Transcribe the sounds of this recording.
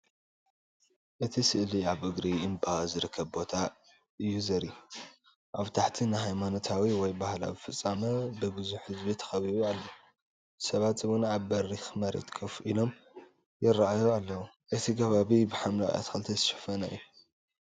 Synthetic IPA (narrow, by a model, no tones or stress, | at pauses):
ʔɨt̪ʰisɨʔliaβʔɨɡɾiɨmbaazɨɾɨkʰːɐβbo̞t̪ʰa | ɨjːuzɐɾi | ʔaβt̪ʰaħt̪ʰinɨɦajmano̞t̪ʰawiwɔjbahla̰wɨfɨt͡sʼːamɐbɨɡɨzuħhɨzbit̪ʰɐ̥xɐβiβualːɐwu | sɐβat̪zɨβʊnaβbɐɾixmɐɾḛt̪kʼʰɐfʔilo̞m | jɪɾːaʔajoalːɐwu | ʔɨt̪ʰikʰɐβaβibɨħamlakʼja̰t̪xʰɐlt̪ʰezɨʃɐ̥fɐnɐɨ̰ju